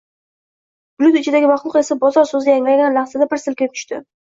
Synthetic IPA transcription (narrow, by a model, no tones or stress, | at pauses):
b̥ʊlʲʊt̪ɪt͡ʃʰɪd̪aɡʲɪmɑχlˠʊqe̞sabɒzɒɾsɵzɪjaŋlaɡʲanlaχsad̪apʰɪɾsɪlkʲet̪ʰʏ̥ʃt̪ɪ